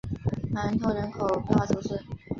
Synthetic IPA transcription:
na˧˥nt̪ʰo˧˥ʊɻə˧˥nkʰo˨˩ʊp̪ɑ˥˩ʊʈ͡ʂʰo˧˥ʊʂə˥˩

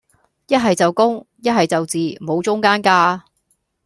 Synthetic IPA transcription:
jɐ˥t̚ɦɐ˨jt͡sɐ˨wkʊ˥ŋ | jɐ˥t̚ɦɐ˨jt͡sɐ˨wt͡siː˨˩mo˨˧wt͡sʊ˥ŋkaː˥nkaː˥

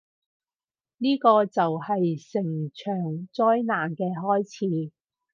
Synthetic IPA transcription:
niː˥kɔː˧t͡sɐ˨whɐ˨jsɪ˨˩ŋt͡ʃʰœː˨˩ŋt͡sɔː˥jnaː˨nkɛː˧ɦɔː˥jt͡sʰiː˧

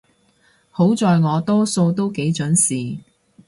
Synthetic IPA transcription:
ho˨˥wt͡sɔː˨jŋɔː˨˧t̪ɔː˥so˧wt̪o˥wke˨˥jt͡ʃɵ˨˥nsiː˨

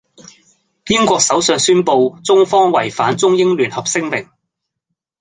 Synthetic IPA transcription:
piː˥nkʷɔː˧k̚sɐ˨˥wsœː˨˧ŋsyː˥npo˧wt͡sʊ˥ŋfɔː˥ŋwɐ˨˩jfaː˨˥nt͡sʊ˥ŋjɪ˥ŋlyː˨˩nhɐ˨p̚sɪ˥ŋmɪ˨˩ŋ

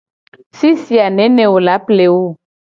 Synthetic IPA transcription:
si˦si˨a˨nɛ̃˦nɛ̃˨wo˨la˨˦ple˨wo˦˨

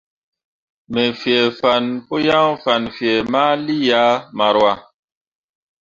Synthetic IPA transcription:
me˨fjɛ˨fa˨npo˦ja˦ŋfa˨nfjɛ˨maː˦li˦ja˨˦ma˨ɾwa˨

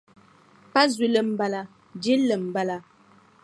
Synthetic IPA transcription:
pa˦zwi˨lə˨m̩˨ba˨la˨ | d͡ʒe˦lə˨m̩˨ba˦la˨

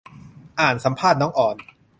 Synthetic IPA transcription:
ʔaː˨˩nsa˩˦mpʰaː˥˩t̪̚nɔː˦˥ŋʔɔː˨˩n

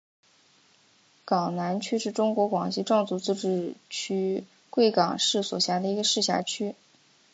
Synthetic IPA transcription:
kɑ˨˩ŋna˧˥nt͡ɕʰy˥ʂɻ̩˥˩ʈ͡ʂʊ˥ŋkwɔ˧˥kwɑ˨˩ŋɕi˥˧ʈ͡ʂɑ˥˧ŋt͡su˥˧t͡sɹ̩˥˧ʈ͡ʂɻ̩˥˩t͡ɕʰy˥ | kwe˥˩ɪkɑ˨˩ŋʂɻ̩˥˩swɔ̰˨˩ɕja˧˥d̪ə˧i˧˥ɡə˧ʂɻ̩˥˩ɕja̰˧˩t͡ɕʰy˥

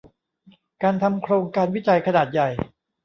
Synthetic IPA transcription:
kaː˧nt̪ʰa˧mkʰɾoː˧ŋkaː˧nwi˦˥t͡ɕa˧jkʰa˧naː˨˩t̪̚ja˨˩j

